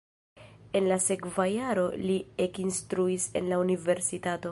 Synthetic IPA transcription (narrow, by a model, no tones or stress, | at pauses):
e̞nlase̞kvajaɾo̞liekinstɾuise̞̰nlaunive̞ɾsitato̞